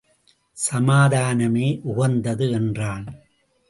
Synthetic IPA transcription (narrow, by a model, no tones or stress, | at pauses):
sɐmaːðaːnɐmeːʔʊɣɐnd̪ɐðɯɛndraːn